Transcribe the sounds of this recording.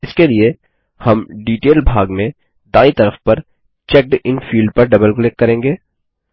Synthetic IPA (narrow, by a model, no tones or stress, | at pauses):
ɪskelie | hɐmɖiːʈeːlbʱaːɡmẽ | d̪aːit̪ɐɾəfpɐɾ | t͡ʃɛk̚ɖɪnfiːlɖ̚pɐɾɖɐbəlklɪkːɐɾẽːŋɡeː